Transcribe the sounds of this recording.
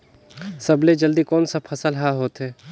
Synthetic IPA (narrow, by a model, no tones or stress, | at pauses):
sɐbled͡ʒɐld̪ikɔːnsapʰɐsəlɦaɦoːt̪ɦɛː